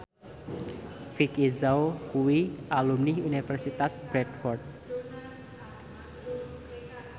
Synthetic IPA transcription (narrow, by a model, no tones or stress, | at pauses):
fikizaokuwiʔalumniunifɛrsit̪asb̥ɾɛd̪fɔrt̪̚